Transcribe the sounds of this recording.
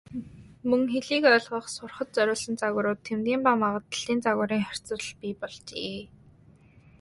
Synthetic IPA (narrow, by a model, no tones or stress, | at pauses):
mɵŋxeɮiːkœːɮʁə̆χsʊrχə̆t̪̚t͡sœɾʲʊːɮsə̆nt͡saɣʊːɾʊːt̪ʰːemt̪ɡʲiːmpamaʁə̆t̪ə̥̆ɮ̥iːnt͡saɣʊːɾiːŋχœr̥ʲt͡sə̆r̆ɮpiːpɔɮt͡ɕeː